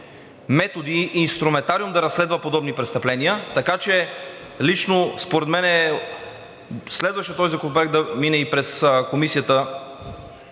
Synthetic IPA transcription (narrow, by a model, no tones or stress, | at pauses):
mɛt̪od̪iːnst̪ɾumɛnt̪aɾiumd̪ɐɾɐsːlɛd̪vəpod̪ɔbnipɾɛt̪st̪ɐplɛniət̪ɐkat͡ʃɛ | lit͡ʃnospoɾɛd̪mɛnɛ | slɛd̪vɐʃət̪ɔzikopɾɛk̚d̪ɐminɛipɾɛskomisijət̪ə